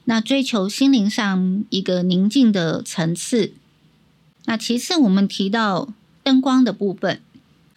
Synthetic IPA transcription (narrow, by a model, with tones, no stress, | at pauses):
na˥˨ʈ͡ʂwe˥ɪt͡ɕʰjo˧˥ʊɕi˥nli˧˥ŋʂɑ˥˩ŋi˧˥ɡə˧ni˧˥ŋt͡ɕi˥˩ŋd̪ə˩ʈ͡ʂʰə˧˥ŋt͡s̩ʰ˥˩ | na˥˩t͡ɕʰi˧˥t͡sʰɹ̩˥˩wɔ˨˩mə˦nt̪ʰi˧˥t̪ɑ˥˩ʊ | t̪ə˥ŋkwɑ˥ŋd̪ə˨pu˥˨˩fə˨n